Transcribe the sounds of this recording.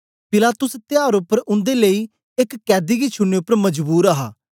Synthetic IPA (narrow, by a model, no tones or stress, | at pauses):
pɪlaːt̪ʊst̪ɪjaːɾʊpːəɾʊ̃nd̪eːləiː | ɪkːɛːd̪iːɡiːt͡ʃʰʊnːeːʊpːəɾməd͡ʒbuːɾaːɦa̰ː